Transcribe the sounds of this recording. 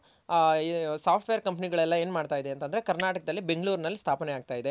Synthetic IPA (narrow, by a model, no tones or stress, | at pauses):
saːpʰʈʋejɐɾkɐmpɐniɡɐɭɛlːɐe̞ːnmaːɖt̪aːjid̪ent̪ɐnd̪ɐɾe̞kɐɾnaːʈɐkɐd̪ɐlːibeŋɡɭuːɾnɐlːist̪ʰaːpɐneaːɡ̚t̪aːjid̪e